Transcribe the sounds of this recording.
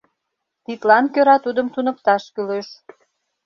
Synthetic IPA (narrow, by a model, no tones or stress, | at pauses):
t̪it̪lɑnkøɾɑt̪ud̪əmt̪unə̆pt̪ɑʃkyleʃ